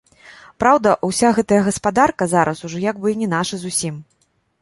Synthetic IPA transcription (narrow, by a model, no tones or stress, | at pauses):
pɾawd̪ɐʔusʲaɣɛt̪ɐjɐɣɐspad̪arkɐzaɾʔɐsuʐɔjaɡ̚bɨnʲɛn̪aʂɨzusʲim